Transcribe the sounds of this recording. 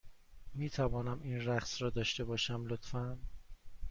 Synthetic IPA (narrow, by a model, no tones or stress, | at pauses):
miːt̪ʰævɒːnæmiːnɾæχsɾɒːd̪ɒːʃt̪e̞bɒːʃæmlot̪fæn